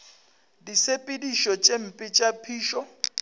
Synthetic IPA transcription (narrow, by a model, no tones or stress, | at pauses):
disepʼɪdiʃɔt͡ʃʼem̩pʼɪt͡ʃʼapʰiːʃɔ